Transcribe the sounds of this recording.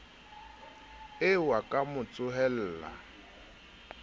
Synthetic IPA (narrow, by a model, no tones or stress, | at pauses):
ewakʼamʊt͡sʼʊɦɛl̩ːla̰